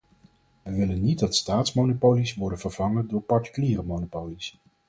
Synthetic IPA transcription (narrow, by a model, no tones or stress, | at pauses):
ʋəʋɪlənːit̚dɑtstaːtsmownopowlisʋɔɹdənv̥əɹv̥ɑŋəndʊːɹpɑɹti̥kyliːrəmownopowlis